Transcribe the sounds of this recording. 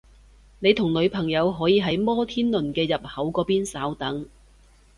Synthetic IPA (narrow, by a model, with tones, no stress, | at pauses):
ne˨˧jt̪ʰʊ˨˩ŋlɵ˨˧ɥpʰɐ˨˩ŋjɐ˨˧wɦɔː˨˥jiː˧ɦɐ˨˥jmɔː˥t̪ʰiː˥nlɵ˨˩nkɛː˧jɐ˨p̚hɐ˨˥wkɔː˨˧˥piː˥nsaː˨˥wt̪ɐ˨˥ŋ